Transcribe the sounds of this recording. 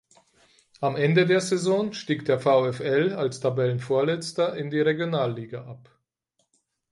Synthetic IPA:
ʔamʔɛndədeːɐzɛzɔnʃtiːkd̥eːɐfaʊɛfɛlalstʰabɛlənfoːɐlɛt͡stɐʔɪndiːʁeɡjonaːlːiːɡaʔap

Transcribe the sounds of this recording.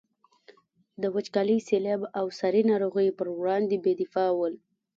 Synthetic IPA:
d̪əwat͡ʃkɑləjselɑbawsaɾinɑɾoɣəjpəɾwɽɑnd̪ebed̪ɪfɑwəl

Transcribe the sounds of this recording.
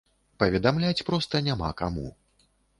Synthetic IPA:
pɐvʲɛd̪amlʲat͡sʲpɾɔst̪ɐnʲama̰kamṵ

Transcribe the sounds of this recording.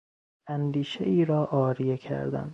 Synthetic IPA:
ænd̪iːʃḛiːɾɒːʔɒːɾijecʰæ̰ɾd̪æ̰nd̪

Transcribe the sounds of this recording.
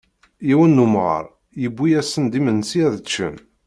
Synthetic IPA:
jiwənːumʁə̰ɾˤ | jəbːijæsənd̪imənsiæðət͡ʃːə̰m

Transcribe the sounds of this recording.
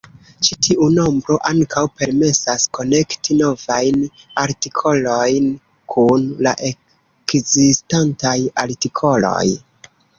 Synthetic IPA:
t͡ʃitʰiʔuno̞mbɾo̞ʔaŋkʰawpe̞ɾme̞sasko̞ne̞ktino̞vajn | aɾtikʰo̞lo̞jn | kʰunla̰ʔe̞ | kzistantajaɾtikʰo̞lo̞̰j

